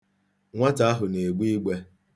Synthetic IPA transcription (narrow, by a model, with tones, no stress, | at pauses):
ŋʷa˦ta˨a˦ɦʊ˨ne˨ɡ͡bʷi˦ɡ͡be˦